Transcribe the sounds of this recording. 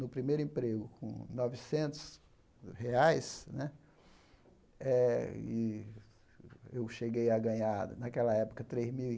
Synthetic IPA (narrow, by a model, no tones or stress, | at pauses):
nʊpɾimejɾʊẽpɾeɡʊkʰõ̰nɔvisẽnt̪ʊ̥s | heajsnɛ | ɛɪ | ewʃeɡejɐɡɐ̃ɲad̪ɐ̰nakɛlɐɛpʊ̥kɐt̪ɾezmiwi